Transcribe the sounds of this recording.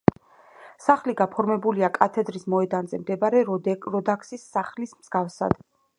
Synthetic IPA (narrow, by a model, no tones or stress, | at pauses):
saχliɡapʰɔɾmɛbuliakʼat̪ʰɛd̪ɾismɔɛd̪anzɛmd̪ɛbaɾɛɾɔd̪akʰsisːaχlismz̥ɡafsa̰d̪̥